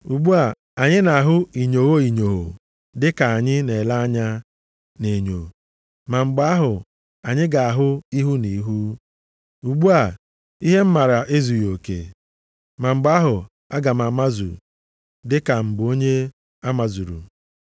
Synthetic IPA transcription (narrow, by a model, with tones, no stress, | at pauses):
u˨ɡ͡bu˦a˨ | a˨ɲɪ˦na˨a˨ɦʊ˦i˨ɲo˨ɣo˦i˨ɲo˨ɦo̰˨ | dɪ˦ka˨a˨ɲɪ˦ne˨la˦a˦ɲa˦ | ne˨ɲo̰˨ | ma˨ŋ͡m̩˨ɡ͡ba˦a˦ɦʊ˨ | a˨ɲɪ˦ɡa˨a˨ɦʊ˦i˦ɦu˦ni˨˦ɦu˦ | u˨ɡ͡bu˦a˨ | i˦ɦe˦m̩˦ma˨ɾa˨ʔe˦zu˨jo˨kḛ˨ | ma˨ŋ͡m̩˨ɡ͡ba˦ɦʊ˨ | a˦ɡa˨m̩˨a˨ma˦zṵ˨ | dɪ˦ka˨m̩˨bʊ˨o˦ɲe˦ | a˦ma˨zu˨ɾṵ˨